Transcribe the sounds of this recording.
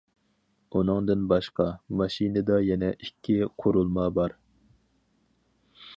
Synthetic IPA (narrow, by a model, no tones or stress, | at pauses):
unɨŋd̪ɨnbɑʃqʰɑmɑʃinɨd̪ɑjɛnɛʔikʲʰːiqʰoɾulˠmɑbɑɾ